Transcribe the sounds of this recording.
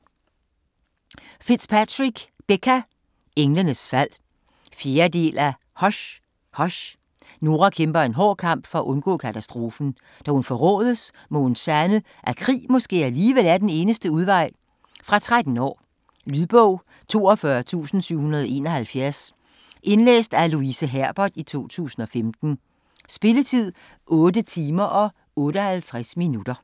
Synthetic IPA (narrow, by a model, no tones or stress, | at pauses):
fid̥spʰæt͡sʁiɡ̥b̥ekʰæ | eŋlənəsfæl̰ | fje̝ːɐd̥e̝̰ːlæ | hɒ̽ɕ | hɒ̽ɕ | no̝ːʁɑkʰemb̥ɐe̝nɦɒ̰ːkʰɑ̈m̰b̥fɒ̽æʔɔ̽nɡ̥ɔ̰̽ːkʰæt͡sʰæsd̥ʁo̝ːfn̩ | d̥æhunfɒʁɔ̰ːð̞ˠəs | mɔ̽ensænə | ʔækʰʁḭːmɔ̽sɡ̥e̝̰ːæliːʋelæɐd̥ene̝ːnəsd̥əuð̞ˠʋɑ̈ɪ̰ | fʁɑ̈t͡sʰʁad̥n̩ɒ̰ː | lyðˠb̥ɔʊ̰ | t͡sʰo̝ːɒ̽fɶɐt͡sʰṵːsn̩syʊ̰hunɐðˠɒe̝nɒhælfjæɐs | ʔe̝nlḛːsd̥æluisəɦæɐ̰b̥ɐd̥it͡sʰo̝̰ːt͡sʰṵːsn̩ɒ̽femd̥n̩ | sb̥e̝lət͡sʰið̞̰ˠ | ʔɔ̽ːdət͡sʰiːmɐʔɒ̽ | ɔ̽ːɾəhælt͡sʰʁasminud̥ɐ